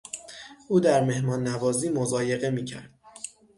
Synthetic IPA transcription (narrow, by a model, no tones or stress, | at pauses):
ʔuːd̪æɾme̞hmɒːnːævɒːziːmozɒːje̞ɣe̞miːcʰæ̰ɾd̪̥̚